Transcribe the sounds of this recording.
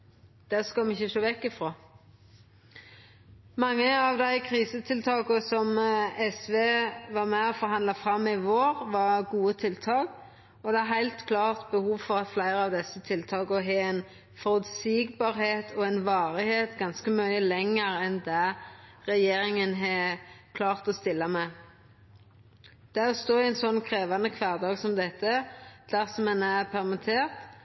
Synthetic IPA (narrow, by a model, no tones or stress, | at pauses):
d̪̥æʁskɔlmɪçːəʂoːʋɛkːɪfʁoː | mɑŋːəɑʋd̪æɪkʰɾiːsət̪ʰɪlt̪ʰɑːkəsɔmɛsʋeːʋɑʁmæɔfɔɾɦɑnd̪əfʁɑmːɪʋoːʁʋɑʁɡuːət̪ʰɪlt̪ʰɑːɡ | ɔd̪ɛæɾɦæɪlt̪kʰlɑːʁt̪bəhuːʋfɔɾɑt̪flæɪɾəɑʋd̪ɛsːət̪ʰɪlt̪ʰɑːkɔɦɛæn | fɔɾʉt̪siːɡbɑːʁɦeːt̪ʰɔɛnʋɑːɾɪheːt̪ɡɑnskəmœʏəlɛŋəɾɛnd̪ɛːɾɛjeːɾɪŋənɦɑkʰlɑːʁt̪ɔst̪ɪlːɑmɛ | d̪̥ɛæɾɔst̪oːɪɛɪnsɔnːkʰʁeːʋɑnəkʰʋæːʁd̪ɑːɡsɔmd̪ɛt̪ːəd̪̥æʁsɔmɛnæpʰæʁmɪt̪ʰeːʁt̪